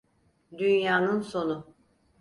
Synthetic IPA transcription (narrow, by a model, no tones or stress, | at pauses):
d̪ynjaːnɯnso̞nʊ